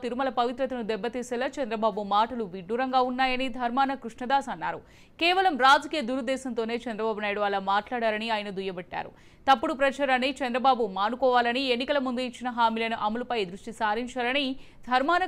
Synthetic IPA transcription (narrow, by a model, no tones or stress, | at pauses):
t̪iɾumɐlɐpɐʋit̪ɾɐt̪ɐnud̪ɛbːɐt̪iːsɛːlaːt͡ʃɐnd̪ɾɐbaːbumaːʈɐluʋiɖːuɾɐŋɡaːunːaːjɐnid̪ʱɐɾmaːnɐkɾuʂɳɐd̪aːsɐnːa̰ːɾu | kɛːʋɐlɐmɾaːd͡ʒɐkiːjɐd̪uɾud̪ɛːʃɐnt̪o̞ːne̞ːt͡ʃɛnd̪ɾɐbaːbunaːjɽuɐlaːmaːʈlaːɽaːɾɐniaːjɐnɐd̪ujɐbɐʈːa̰ːɾṵ | t̪ɐpːuɽupɾɐt͡ʃaːɾanit͡ʃɛnd̪ɾɐbaːbumaːnukɔːʋaːlɐnienːikɐlɐmund̪uit͡ʃːinɐɦaːmiːlɐnuʔɐmɐlupɐjd̪ɾuʂʈisaːɾiɲt͡ʃaːlɐni | d̪ʱɐɾmaːnɐ